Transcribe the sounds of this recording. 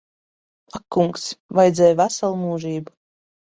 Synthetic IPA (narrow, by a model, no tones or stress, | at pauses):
akːuŋksvajd̪zʲɛːjvæsalˠmuːʒiːbu